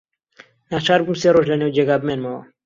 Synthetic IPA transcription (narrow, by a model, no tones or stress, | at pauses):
naːt͡ʃʰaːɾbumseːɾoːʒlɐneːwd͡ʒeːɡaːbmeːnmɐwɐ̰